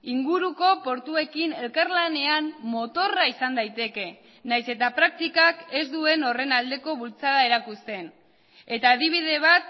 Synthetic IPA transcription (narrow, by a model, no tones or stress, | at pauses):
iŋɡuɾuko̞po̞ɾt̪ue̞kine̞lkarlane̞ammo̞t̪o̞raisand̪ajt̪e̞ke̞ | najse̞t̪apɾak̚t̪ikake̞zd̪ue̞no̞re̞nald̪e̞ko̞βult͡saðae̞ɾakust̪e̞n | e̞t̪aːðiβ̞ið̞e̞β̞at̪̚